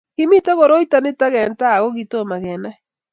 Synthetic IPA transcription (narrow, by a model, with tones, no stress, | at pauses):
ki˦mi˦ta˦ɣo˨ɾo˦i˦ta˦ne˦ta˦ɣɛ˨nta˦˨ɣo˦ɣito˦ma˨ɣɛ˨na˦